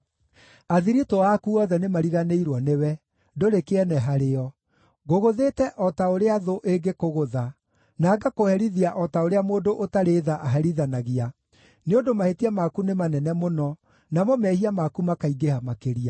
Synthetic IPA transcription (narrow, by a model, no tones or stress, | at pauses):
aðiɾitoakuɔðɛnemaɾiɣaneiɾwɔnewɛ | doɾekeɛnɛɦaɾeɔ | ɣoɣoðeːtɛʔɔtaoɾeaðoʔeŋɡekoɣoða | naːɡakohɛɾiðiaʔɔtaoɾeamoːndoʔotaɾeðaʔaɦɛɾiðanaɣia | neondomahetiamakunemanɛnɛmonɔ | namɔmɛhiamakumakaiɡehamakeɾia